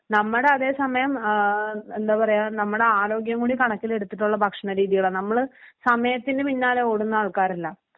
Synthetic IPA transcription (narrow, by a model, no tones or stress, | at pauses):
nɐmːɐɽe̞ɐðe̞ːsɐmɐjɐm | end̪aːpɐrɐjaːlnɐmːɐɽe̞aːɾo̞ːɡjɐŋɡuːɽikɐɳɐkːile̞ɽut̪ːiʈːuɭːɐbʱɐkʂɐɳɐɾiːðijuɭɐnɐmːɐɭsɐmɐjɐt̪ːindepinːaːleoːɽunːaːɭkaːɾilːɐ